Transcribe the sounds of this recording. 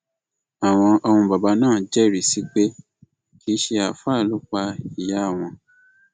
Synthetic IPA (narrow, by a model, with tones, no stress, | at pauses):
a˨w̃ɔ̃˧ʔɔ˧hũ˧ba˨ba˧˦nãː˦˨d͡ʒɛ˦˨ɾi˨si˨˦k͡pe˦ | ki˨˦ʃe˧a˨fa˦˨lu˨˦k͡pa˧i˨ja˨˦˨w̃ɔ̃˧